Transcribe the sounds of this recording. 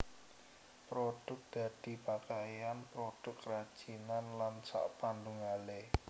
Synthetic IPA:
pɾod̥ʊk̚d̪̥a̤d̪̥i̤pakajanpɾod̥ʊkrad̥ʒ̥inanlansa̰ʔpanduŋale

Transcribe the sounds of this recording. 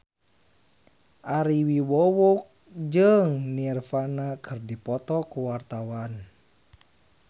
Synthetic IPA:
ʔaɾiwiwɔwuk̚d͡ʒəŋnirfanakʰɨrdipɔt̪ɔkuwart̪awan

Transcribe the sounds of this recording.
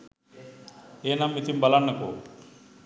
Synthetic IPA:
eːnɐmːit̪imbɐlanːɐko̰ː

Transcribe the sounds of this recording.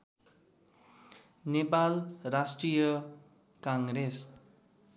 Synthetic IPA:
nepalrasʈrijʌ | kaŋɡɾes

